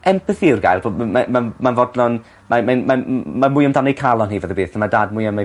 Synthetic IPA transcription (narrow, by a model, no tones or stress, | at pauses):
ɛmpəθɪwrɡa̰jlˠbomamanmanvɔdlɔn | mamanmamamʊjəmdanejkʰalˠɔnhivəðəbeːθamadaːdmʊɨama